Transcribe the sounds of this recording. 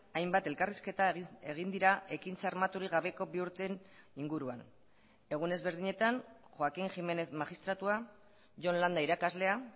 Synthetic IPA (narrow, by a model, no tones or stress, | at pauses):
ajmbat̪e̞lkariske̞t̪aeɣ̞ind̪iɾaʔe̞kint͡saɾmat̪uɾiɣ̞aβe̞ko̞βiuɾt̪e̞niŋɡuɾuan | e̞ɣ̞une̞zβe̞ɾðiɲe̞t̪anxoakiŋxime̞ne̞θmaɣist̪ɾat̪ua | ʝo̞nland̪aiɾakazle̞a